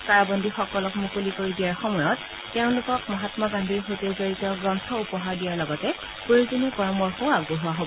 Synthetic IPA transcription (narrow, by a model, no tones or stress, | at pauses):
kaɹabɔndʱixɔkɔlɔkmukulikoɹidijaɹxɔmɔjɔtː | ɛʊ̃lʊkɔkmɔɦatmaɡandʱiɹxotezoɹitɔɡɹɔntʰɔupɔɦaɹdijaɹlɔɡɔtɛ | poizunikɔɹɔmɔɹxoaɡoɦuwaɦobɔ